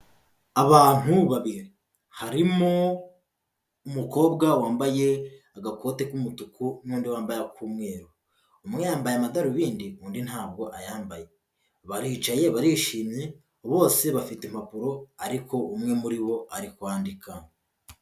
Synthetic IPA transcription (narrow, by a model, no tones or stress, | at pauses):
aβaːn̥huβaβiɾi | haɾimo | umuko̞ːbɡawaːmbaje̞aɡako̞ːte̞kumutukun̥uːndiwaːmbajakʰuːmŋe̞ːɾo | umŋe̞jaːmbajamadaɾuβiːndiuːndinhaːb̚ɡo̞ʔajaːmbaje̞ | βaɾiːt͡ʃaje̞βaɾiːʃiːmɲe | βo̞ːse̞βafitem̥hapuɾo̞aɾiko̞ʔumŋe̞muɾiβo̞ʔaɾikwaːndikʰa